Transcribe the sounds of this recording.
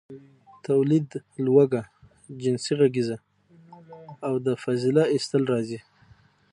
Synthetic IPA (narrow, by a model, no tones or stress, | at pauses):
t̪awlid̪lwaɡa | d͡ʒɪnsiɣaɡiza | awd̪əfazɪlaɪst̪əlɾɑzi